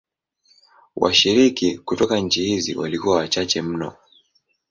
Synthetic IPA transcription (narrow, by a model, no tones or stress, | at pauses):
wa̰ʃiɾikikutɔkaɲ̩t͡ʃihizḭwalikuwawat͡ʃat͡ʃɛm̩nɔ̰